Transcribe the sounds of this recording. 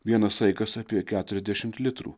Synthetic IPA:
ʋʲiɛnɐsɐɪɡɐsɐpʲiɛkʲæːt̪ʊɾʲɛzʲd̪ʲæʃʲɪmt̪lʲɪt̪ɾṵ

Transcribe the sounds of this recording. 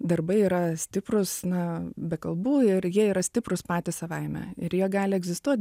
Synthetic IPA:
d̪ɐrbɐɪiːɾɐsʲt̪ʲɪpɾʊsnɐbʲɛkɐlˠbuːɪɾjiɛiːɾɐsʲt̪ʲɪpɾʊspɑːt̪ʲɪsɐʋɐɪmʲɛ̰ɪ̰ɾjiɛɡɑːlʲɪɛɡzʲɪst̪uɔt̪̚ʲ

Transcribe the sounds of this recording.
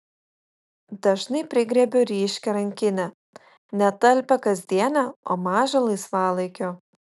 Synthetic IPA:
d̪ɐʒnɐɪpʲɾʲɪɡɾʲɛːbʲoːɾʲiːʃʲkʲɛɾɐŋʲkʲɪnʲɛ | nʲɛt̪ɐlʲpʲɛkɐzʲd̪ʲiɛnʲɛo̰ːmɑːʒɐlˠɐɪsʋɑːlˠɐɪkʲoː

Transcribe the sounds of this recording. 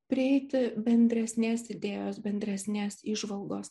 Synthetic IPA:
pʲɾʲɪɛɪt̪ʲɪbʲɛnʲd̪ʲɾʲɛsʲnʲeːsɪd̪ʲeːjoːsbʲɛnʲd̪ʲɾʲɛsʲnʲeːsiːʒʋɐlˠɡoːs

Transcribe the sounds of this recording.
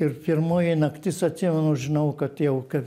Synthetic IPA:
ɪrpʲɪrmoːjɪnɐkt̪ʲɪsɐt̪ʲsʲɪmʲɛnoʒʲɪnɐʊkɐt̪jɛʊkɐ

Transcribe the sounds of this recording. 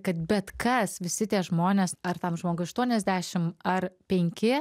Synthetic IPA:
kɐt̪bʲɛt̪kɐsʋʲɪsʲɪt̪ʲiɛʒmoːnʲeːsɐɾt̪ɐmʒmoːɡʊɐʃt̪uɔnʲɛzʲd̪ʲæːʃʲɪmɐrpʲɛŋʲkʲɪ

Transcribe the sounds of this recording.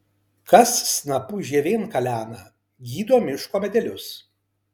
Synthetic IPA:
kɐsːnɐpuːʒʲiɛʋʲeːnkɐlʲæːnɐ | ɡʲiːd̪oːmʲɪʃkoːmʲɛd̪ʲɛlʲʊs

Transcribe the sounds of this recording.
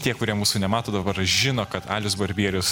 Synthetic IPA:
t̪ʲiɛkʊɾʲiɛmuːsʊnʲɛmɑːt̪oːd̪ɐbɐɾʒʲɪnoːkɐt̪ɑ̰ːlʲjʊsbɐɾʲbʲiɛɾʲʊs

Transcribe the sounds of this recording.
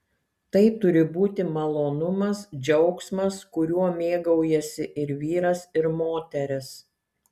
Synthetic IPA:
t̪ɐɪt̪ʊɾʲɪbuːt̪ʲɪmɐlˠoːnʊmɐsd͡ʒʲɛʊksmɐskʊɾʲuɔmʲeːɡɐʊjɛsʲɪʔɪɾʋʲiːɾɐsɪɾmoːt̪ʲɛɾʲɪs

